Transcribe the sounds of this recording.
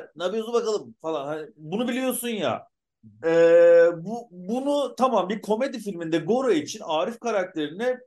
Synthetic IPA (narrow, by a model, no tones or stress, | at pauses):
nabijozbakalˠɯmfalˠanhanibunubilʲijo̞sunja̰ | ɛːbubunut̪ʰamambiɾkʰo̞me̞d̪ifilʲmind̪ɛɡo̞ɾoit͡ʃʰinaːɾifkʰaɾak̚t̪ʰe̞ɾinɛ